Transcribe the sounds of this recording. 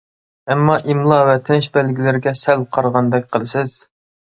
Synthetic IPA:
ɛmːɑʔimlˠɑvɛt̪ʰɪnʃbælɡʲilɪɾɪɡʲɛsælqʰɑɾʁɑnd̪ɛk̚ʲqʰəlˠɨsɪz̥

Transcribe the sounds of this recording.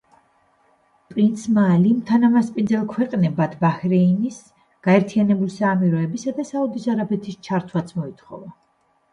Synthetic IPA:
pʼɾint̪sʰmaːlimt̪ʰanamaspʼind̪zɛlˠkʰwɛqʼnɛbad̪ʰbahɾɛinis | ɡ̥aɛɾt̪ʰianɛbulisaːmiɾɔɛbisad̪asaud̪isaɾabɛt̪ʰist͡ʃʰaɾt̪ʰwat̪sʰmɔit̪ʰχɔ̰va

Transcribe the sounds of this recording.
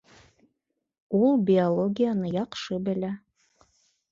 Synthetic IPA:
ulˠbʲiolˠoɡʲijanɤjɑqʃɤbɘ̆lʲæ

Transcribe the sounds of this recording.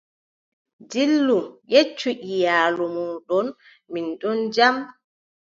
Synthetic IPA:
dilːumjet͡ʃːuʔijaːlɔmɔɗɔn | minɗɔnd͡ʒam

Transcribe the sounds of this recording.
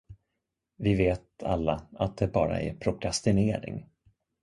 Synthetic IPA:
vɪveːt̪a̰lːaat̪̚d̪ɛbɑːɾa̰ɛɾpʰɾʊkʰɾast̪ɪneːɾɪ̰ŋ

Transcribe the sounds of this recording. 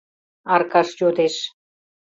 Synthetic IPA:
ɑrkɑʃjod̪eʃ

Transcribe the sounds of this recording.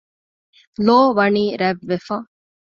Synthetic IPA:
loːʋɐɳiːɾɛʋːefã

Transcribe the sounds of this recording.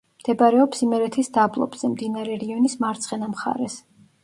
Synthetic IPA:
md̪̥ɛbaɾɛɔpsimɛɾɛt̪ʰisd̪ablˠɔ̰bz̥ɛmd̪inaɾɛɾiɔnismaɾt̪sʰχɛnamχa̰ɾɛs

